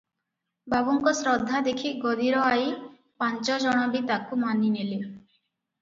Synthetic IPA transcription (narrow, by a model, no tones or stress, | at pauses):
babuŋkɔsɾɔd̪ʱːad̪ekʰiɡɔd̪iɾɔaji | pant͡ʃɔd͡ʒɔɽ̃ɔbit̪akumaninile